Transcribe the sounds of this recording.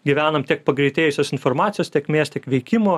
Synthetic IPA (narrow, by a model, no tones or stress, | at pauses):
ɡʲɪʋʲæːnɐmt̪ʲiɛk̚pɐɡɾʲɛɪt̪ʲeːjʊsʲoːsɪnfoːrmɑːt̪ʲɪjoːst̪ʲiɛkmʲeːst̪ʲiɛkʋʲɛɪkʲɪmoː